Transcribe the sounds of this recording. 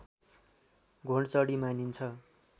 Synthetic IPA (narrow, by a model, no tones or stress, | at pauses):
ɡʱoɳɖt͡sʌɽimanint͡sʰʌ